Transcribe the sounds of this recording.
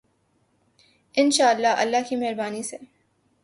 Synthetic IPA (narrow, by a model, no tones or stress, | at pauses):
ɪnʃaːəlːaɦɐ̰lːaɦkimɛɦɾbaːnise